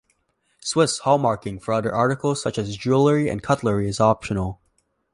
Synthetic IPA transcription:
swɪshɔmɑɹkɪ̃ŋfə˞ʌðə̰˞ʔɑɹɾɨkl̩ˠz̥sʌt͡ʃɨzd͡ʒʉlˠə˞iɨ̰̃nkʰʌtˡlə˞iɨzɑpʃɨnl̩ˠ

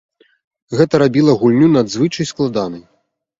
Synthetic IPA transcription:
ɣɛt̪ɐɾabʲilˠɐɣulʲnʲunad̪zvɨt͡ʂɐjsklˠad̪anɐj

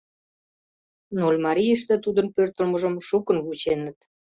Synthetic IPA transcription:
nolʲmɑɾʲijəʃt̪ĕt̪ud̪ənpørt̪ə̆lməʒə̆mʃukənβut͡ɕenə̆t̪

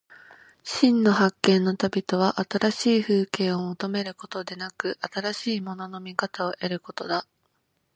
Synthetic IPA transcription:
ɕĩnːo̞ɦakːẽ̞nːo̞t̪abʲit̪o̞β̞aʔat̪aɾaɕiːɸɯ̟ːkẽ̞ɰ̃o̞mot̪o̞me̞ɾɯ̟ko̞̥t̪o̞d̪e̞nakɯ̟ʔat̪aɾaɕiːmo̞no̞no̞mʲikat̪ao̞ʔe̞ɾɯ̟ko̞t̪o̞d̪a

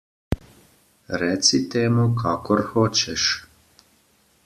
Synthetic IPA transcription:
ɾɛːsit̪eːmukʰaːkɔɾxoːt͡ʃɛʃ

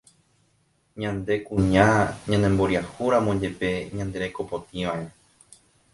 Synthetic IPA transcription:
ɲãnd̪e̞kũɲãɲãnẽmbo̞ɾiahuɾãmõd͡ʒe̞pe̞ɲãnd̪e̞ɾe̞ko̞pot̪iʋãʔe

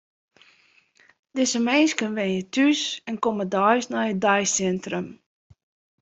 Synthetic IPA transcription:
dɪsəmɛnskənʋɛnjətʰysɛnkomədɔjsnɔjədɔjsɛntrəm

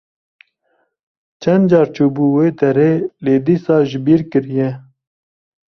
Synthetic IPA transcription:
t͡ʃʰɛnd̪d͡ʒɑːɾt͡ʃuːbuːweːd̪ɛɾeːleːd̪isɑːʒɪbiːɾkɨɾijɛ

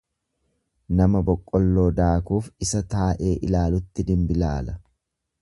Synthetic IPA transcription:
nɐmɐbɔkʼːɔlːo̞ːd̪aːkuːfɪsɐt̪aːʔe̞ːʔɪlaːlʊt̪ːɪd̪ɪmbɪlaːlɐ

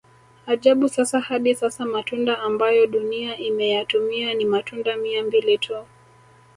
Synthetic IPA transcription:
aʄaɓusasahaɗisasamatundaːmbajɔɗuniaʔimɛjatumianimatundamiambilitʰu

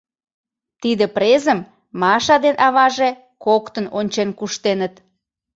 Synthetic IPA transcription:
t̪id̪əpɾezəm | mɑʃɑd̪enʔɑβɑʒe | kokt̪ənonʲt͡ɕenkuʃt̪enət̪

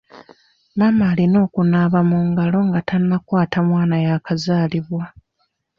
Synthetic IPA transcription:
mamaːlino̞ːkunaβamuːŋɡalo̞ŋɡatanːakwaːtamwaːnajakazaːliβwa

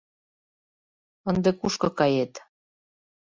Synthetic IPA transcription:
ə̆nd̪ekuʃkɤ̆kɑjet̪

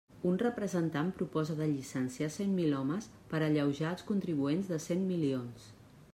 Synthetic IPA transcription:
unrəpɾəzənt̪ampɾupɔzəðəʎisənsiasemmilɔməs | pəɾəʎəwʒaəlˠskunt̪ɾiβuenzðəsemmilions

